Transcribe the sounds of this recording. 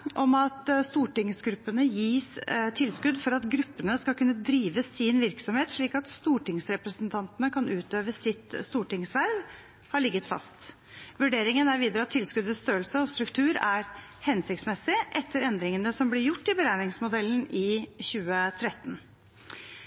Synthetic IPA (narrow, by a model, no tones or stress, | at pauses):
ʔɔmɑt̪st̪uːʈɪŋsɡɾʉpːənəjiːst̪ʰɪlskʉd̪fɔɾɑt̪ɡɾʉpːənəskɑlkʉnːəd̪ɾiːʋəsɪnʋɪɾksɔmheːt̪ʂɭiːkɑt̪st̪uːʈɪŋsɾɛpɾəsənt̪ʰɑnt̪ənəkʰɑnʉːt̪øːʋəsɪt̪st̪uːʈɪŋsʋæɾʋ | hɑɭɪɡːət̪fɑ̰st̪ | ʋʉɖeːɾɪŋənæɾʋiːd̪əɾəɑt̪ʰːɪlskʉd̪əst̪øːəlsəɔst̪ɾʉkt̪ʰʉːɾæɾ | hɛnsɪkt̪smɛsɪʔɛt̪ʰːəɾɛnd̪ɾɪŋənəsɔmblɪɾjʊʈːɪbəɾæːɾɪŋsmʊd̪ɛlːən̩ɪçʉːət̪ʰɾɛt̪ːn